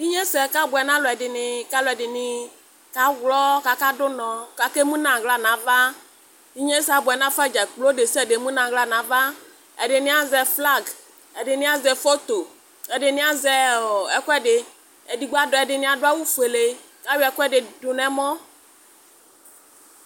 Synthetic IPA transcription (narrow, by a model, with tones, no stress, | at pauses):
di˦ɲẽ˦sɛ˨ka˦bʊ˨ɛ˨nã˦lʊ˨ɛ˨dɪ˨nɪ˨ka˦lʊ˨ɛ˨ɖɪ˨nɪ̃˨ | ka˦wlɔ˦ka˨ka˦dʊ˦nɔ̃˨ka˨ke˦mũ˦nã˨ɣla˨nã˨˦va˦ | ni˦ɲẽ˦sa˨bʊ˨ɛ˨nã˦fɛ˦d͡ʒɛ˨k͡plo˦ɖe˨sɛ˦˨ɖe˨mũ˦nã˨ɣla˨nã˨va˦ | ɛ˨ɖɪ˨nɪ̃˦a˦zɛ˨fla˦ɡ | ɛ˨ɖɪ˨nɪ̃˦a˦zɛ˨fo˦t̪o˨ | ɛ˨ɖɪ˨nɪ̃˦a˦zɛ˨ɛ˨kɔ˦ɛ˦ɖɪ˨ | e˨di˨ɡ͡bo˦a˦dɔ˨ɛ˨ɖɪ˨nɪ̃˦a˨dʊ˦a˦wu˦fu˨e˨le˦ | ka˦wi˦ɛ˨kɔ˦ɛ˦ɖɪ˨dʊ˨nɛ̃˨mɔ̃˦